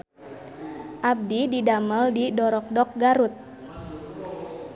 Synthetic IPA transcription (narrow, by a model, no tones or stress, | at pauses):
ʔab̚dididaməldidɔɾɔk̚dɔk̚ɡaɾut̪̚